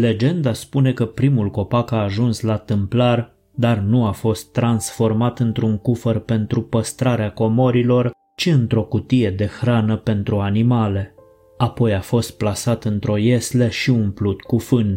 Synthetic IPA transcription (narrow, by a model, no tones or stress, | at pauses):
le̞d͡ʒe̞nd̪aspune̞kəpɾimulko̞pakaːʒunslat̪ɨmplar | d̪arnuafo̞st̪ːɾansfo̞rmat̪ɨnt̪ɾuŋkufərpe̞nt̪ɾupəst̪ɾaɾeako̞mo̞ɾilo̞r | t͡ʃiɨnt̪ɾo̞kut̪ije̞d̪e̞xɾanəpe̞nt̪ɾuanimale̞ | apo̞jafo̞st̪̚plasat̪ɨnt̪ɾo̞jesleʃiunplut̪kufɨn